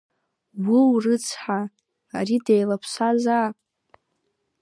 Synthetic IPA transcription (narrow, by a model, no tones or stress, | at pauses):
wʷɨwrɨt͡sʰħa | aɾidejlapʰʃʷazapʼ